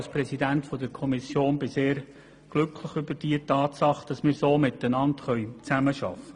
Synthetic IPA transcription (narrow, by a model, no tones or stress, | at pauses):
lspɾɛsidæntfɔdəɾkʰɔmisjoːnbɪseːɾ | ɡ̥lʏkʰləχʏbəɾd̥iətɑːtsɑχd̥ɑsmɪːɾsoːmɪt̪ənɑntχœʏt͡sæməʃɑ̰fə